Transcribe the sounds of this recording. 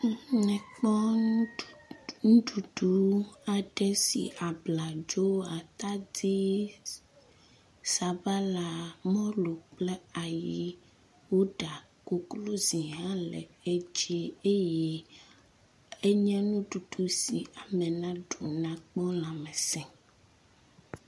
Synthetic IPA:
ŋɛ̃˨k͡pɔ˦˨ | nũ˦ɖu˨ɖu˨˦a˨ɖɛ˦sḭ˨ʔa˨bla˨d͡ʒo˦a˨t̪a˦d̪i˦ | sa˨ba˦la˨mɔ̃˦lo˨k͡plɛ˦a˨ji˦ | wo˦ɖa˨ | ko˦klo˦zi˨ɦã˦lɛ̰˨e˦d͡ʒi˦e˦jɛ˦ | e˦ɲɛ̃˦nũ˦ɖu˨ɖu˨si˨a˨mɛ˨nã˦ɖo˨nã˨k͡pɔ˦lã˨mɛ̃˨sɛ̃˨

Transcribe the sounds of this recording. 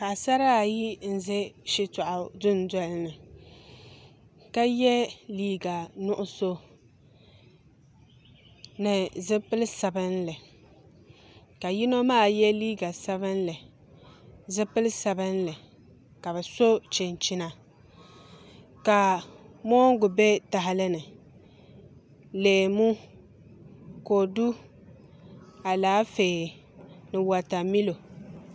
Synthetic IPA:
ka˨sa˦ɾa˦˨ji˦n̩˨zɛ˦ʃɪ˦tɔ˨ʔʊ˨dʊ˦n˦dɔ˦lnɨ˨ | ka˦jɛ˦liː˦ɡa˨nʊ˦ʔʊ˦so˦ | nɨ˨zɨ˦pɨ˦lɨ˦sa˨bɨ˦n˦lɨ˨ | ka˨ji˦no˦maː˦˨jɛ˦liː˦ɡa˨sa˦βɨ˦n˦lɨ˨ | zɨ˦pɨ˦lɨ˦sa˨bɨ˦nlɨ˨ | ka˨bɛ˨so˦t͡ʃɪ˨n˨t͡ʃi˦na˨ | ka˨mɔ˦ŋ˦ɡʊ˨bɛ˦ta˨ɦa˦lɨ˦nɨ˨ | leː˨mu˦ | ko˨du˦ | a˨laː˨˦feː˨ | nɨ˨wa˨ta˨mi˦lo˨

